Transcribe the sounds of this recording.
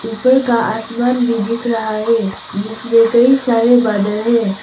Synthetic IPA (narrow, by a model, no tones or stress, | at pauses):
uːpəɾkaʔasmaːnʋɪd̪ʱɪt̪ɾɐɦaɦɛ | d͡ʒɪsmẽkɐisaːɾebaːd̪əlɦɛː